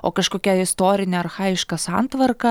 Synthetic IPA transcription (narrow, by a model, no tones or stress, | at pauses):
o̰ːkɐʃkoːkʲɛɪst̪oːɾʲɪnʲɛɐrxɑːɪʃkɐsɑ̰nt̪ʋɐrkɐ